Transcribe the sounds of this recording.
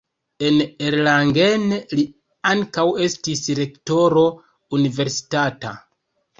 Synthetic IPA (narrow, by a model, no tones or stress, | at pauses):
e̞neɾlaŋɡenli | aŋkawe̞stisɾe̞kto̞ɾo̞ | unive̞ɾsi̥tata̰